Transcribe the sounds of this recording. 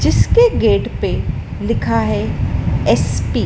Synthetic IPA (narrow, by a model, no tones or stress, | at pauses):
d͡ʒɪskeɡeːɖpe | lɪkʰaɦɛɛspiː